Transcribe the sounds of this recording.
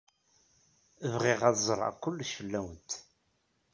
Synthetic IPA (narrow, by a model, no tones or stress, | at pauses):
əvʁiʁæðzˤɾˤɑ̰kʷːʊlːʃəlːæwənt̪